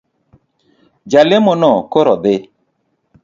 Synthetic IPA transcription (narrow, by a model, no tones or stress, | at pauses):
d͡ʒalemonɔkoɾɔðɪ